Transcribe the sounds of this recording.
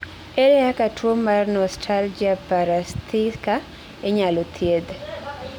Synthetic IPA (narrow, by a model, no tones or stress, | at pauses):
eɾɛakatʰwomːarnɔstʰald͡ʒiapaɾast̪ʰika | eɲalɔt̪ʰjed̪